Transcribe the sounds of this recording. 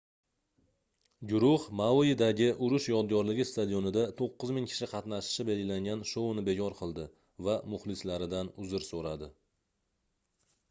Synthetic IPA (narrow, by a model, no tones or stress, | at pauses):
ɡʲʊɾʊχmawjɪd̪aɡʲɪʔʊɾʊʃjɒd̪̚ɡɒɾlɪɡʲɪst̪ad̪ijonɪd̪at̪ʰoqːɨzmɪŋkʲʰɪ̥ʃɪqʰɑt̪naʃɪ̥ʃɪbe̞lɡʲɪlaŋɡʲanʃoʊnɪbe̞kʰɒɾqʰɨlˠd̪ɪ | vamʊχlɪslaɾɪd̪anʊzɪɾsoɾad̪ɪ